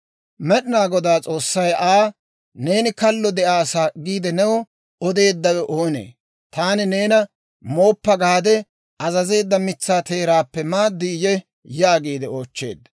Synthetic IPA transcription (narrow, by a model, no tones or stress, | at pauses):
mɛɗɪnaːɡɔd̪aːt͡sʼo̞ːsːɐjaː | ne̞ːnɪkɐlːɔd̪ɛʔaːsaːɡiːd̪ɛnɛwɔ | ɔd̪e̞ːd̪ːɐwɛʔoːnḛː | t̪aːnɪne̞ːnɐ | mo̞ːpːɐɡaːd̪ɛ | ɐzɐze̞ːd̪ːɐmɪt͡sːaːt̪e̞ːɾaːpːɛmaːd̪ːɪjɛ | jaːɡiːd̪ɛoːt͡ʃːe̞̰ːd̪